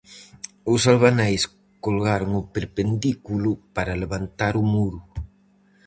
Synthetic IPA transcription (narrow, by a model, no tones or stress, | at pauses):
ʊsalβanajs | kolɣaɾʊŋʊpeɾpend̪ikulʊpaɾaleβant̪aɾʊmuɾʊ